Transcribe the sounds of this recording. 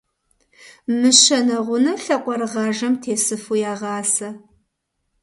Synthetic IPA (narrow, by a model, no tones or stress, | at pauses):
mɨɕɐnɐʁʷʊnɐɬɐqʷʼɔrʁɐʒɐmtʰeːsɨfujaːʁɑːsɐ